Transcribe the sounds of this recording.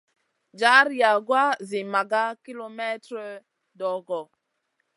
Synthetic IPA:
d͡ʒa˨˦ɾja˨ɡwa˦zi˨ma˨ɡa˦ki˦lo˦mɛ˦tɾɔ˦ | dɔ˨ɡɔ˨

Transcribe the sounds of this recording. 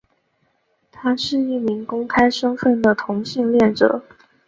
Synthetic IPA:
t̪ʰa˥ʂɻ̩˥˧i˥˩mi˧˥ŋkʊ˥ŋkʰa˥ɪʂɤ˥ŋfə˥˩nd̪ə˩t̪ʰʊ˧˥ŋɕi˥˧ŋljɛ˥˩nʈ͡ʂɤ̰˨˩˦

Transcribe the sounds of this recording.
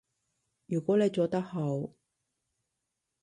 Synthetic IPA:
jyː˨˩kʷɔː˨˥ne˨jt͡soː˨˧t̪ɐ˥k̚ho˨˥w

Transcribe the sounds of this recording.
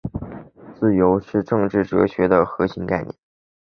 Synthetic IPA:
t͡sɹ̩˥˩jo˧˥ʊʂɻ̩˥˧ʈ͡ʂɤ˥˧ŋʈ͡ʂɻ̩˥˩ʈ͡ʂɤ̰˧˥ɕɥɛ˧˥d̪ə˧xɤ˧˥ɕi˧˥ŋka˥˧ɪnjɛ̰˥˩n

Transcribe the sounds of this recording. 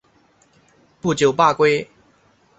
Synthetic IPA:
pu˥˨˩t͡ɕjo˨˩ʊpa˥˨kwe˥ɪ

